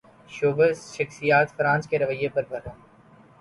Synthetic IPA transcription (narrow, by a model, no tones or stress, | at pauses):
ʃoːbəʃəxsijaːt̪fɾãːnt͡ʃkeɾɐʋəjepɐɾbʱɐɾãː